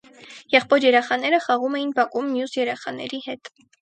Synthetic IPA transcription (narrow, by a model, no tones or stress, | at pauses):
jɛχpɔɾjɛɾɛχɑnɛɾəχɑʁumɛjinbɑkʼumːjusjɛɾɛχɑnɛ̰ɾihɛt̪